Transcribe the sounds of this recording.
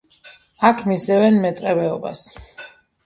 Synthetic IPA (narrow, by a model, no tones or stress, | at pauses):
akʰmisɛvɛnmɛt̪sʼqʼɛvɛɔba̰s